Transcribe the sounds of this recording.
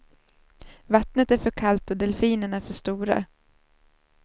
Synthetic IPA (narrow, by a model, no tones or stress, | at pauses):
vat̪nət̪æɾfœɾkʰalt̪ɔd̪ɛlfiːnənæɾfœʂt̪uːɾa̰